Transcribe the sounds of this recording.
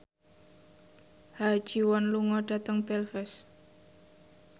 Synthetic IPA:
hḁd͡ʒ̥iwɔnluŋɔɖ̥a̤t̪əŋbɛlfɛs

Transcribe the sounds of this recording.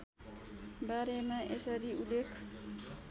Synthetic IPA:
baɾemãʔesʌɾiulekʰ

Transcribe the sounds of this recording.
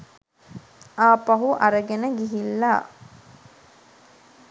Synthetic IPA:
aːpɐɦuʔɐɾəɡenəɡiɦilːa̰ː

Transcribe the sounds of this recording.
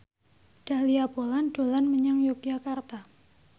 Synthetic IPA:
d̥aliabolando̤lanməɲaŋjukjakart̪a

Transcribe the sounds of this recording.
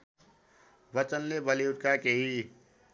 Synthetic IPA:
bət͡ʃənːebəliʊʈ̚kakeɦi

